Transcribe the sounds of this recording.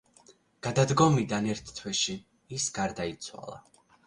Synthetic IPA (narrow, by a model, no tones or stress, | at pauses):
ɡ̥ad̪ad̪ɡɔmid̪anɛɾt̪ʰt̪ʰːwɛʃi | isɡaɾd̪ait̪sʰwa̰lˠa̰